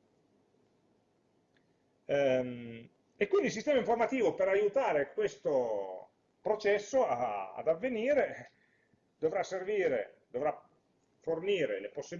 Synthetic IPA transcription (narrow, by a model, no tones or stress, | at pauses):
m | ekwind̪ils̬ist̪ɛːmaiɱformat̪iːvopeɾajut̪aːɾekwest̪o | pɾot͡ʃɛsːoaa̰d̪avːeniːɾe | d̪ovɾasːerviːɾḛd̪ovɾa | forniːɾeleposːi